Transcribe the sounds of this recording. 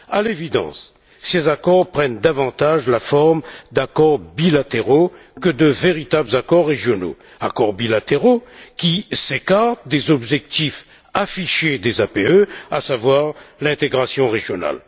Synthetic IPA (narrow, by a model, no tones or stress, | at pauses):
alevid̪ɑ̰̃s | sezakɔʁpχɛnd̪avɑ̃t̪aʒlafɔʁmd̪akɔʁbilat̪eʁo | kəd̪əveʁit̪abləzakɔʁːeʒjɔno̰ | akɔʁbilat̪eʁokʲisekaʁt̪d̪ezɔbʒɛk̚t̪if | afiʃed̪ezapeøasavwaʁlɛ̃t̪eɡʁasjɔ̃ʁeʒjɔna̰l